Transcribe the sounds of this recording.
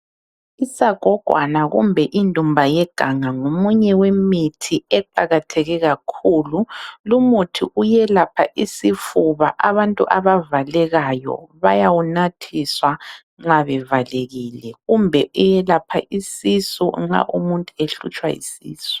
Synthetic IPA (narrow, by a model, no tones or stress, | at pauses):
isaɡ̥ʱɔɡ̥ʱwa̰naɣṵmbʱɛʔindʱumbʱajɛɡ̥ʱaŋaŋomuɲɛwemitʰiɛǃaɣatʰɛɣɛɣakʰuːlulumutʰḭʔujɛlapʰaʔisifuβa̰ʔaβantʼṵʔaβavalɛɣajɔ̰βajawunatʰiswa | ŋ͡ǁaβɛvaleɣiːlɛɣumbʱɛʔujɛlapʰa̰ʔisisṵŋ͡ǁa̰ʔumuntʼueɬṵt͡ʃʼwa̰ḭsḭːsu̥